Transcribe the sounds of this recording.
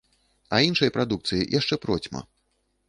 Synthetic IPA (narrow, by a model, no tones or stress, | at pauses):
ɐinʂɐjɐpɾad̪ukt̪sɨjḭjʔaʂt͡ʂɛpɾɔt͡sʲmɐ̰